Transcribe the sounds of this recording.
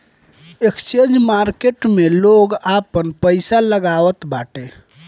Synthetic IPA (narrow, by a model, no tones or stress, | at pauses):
ekst͡ʃend͡ʒmaɾkeʈmeloɡapənpəɪsaləɡaʋət̪baːʈe